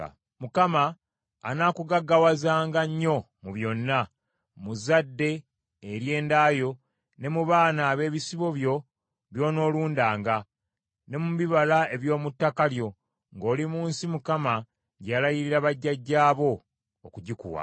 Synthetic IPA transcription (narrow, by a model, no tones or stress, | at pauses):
mukama̰ː | naːkuɡaɡawazaːŋɡaɲːo̞ | muβjo̞nːa | muzadːe̞ː | ɾje̞ːndaːjo̞ | ne̞muβaːnaːβe̞ːβisiβo̞βjo̞ | βjo̞ːno̞ːluːndaːŋɡa | ne̞muβiβalae̞βjo̞ːmutːakaljo̞ | ŋɡo̞ːlimuːnsimukama | ɟalajiɾiɾaβaɟːaɟːaːβo̞ː | kuɟikṵwa̰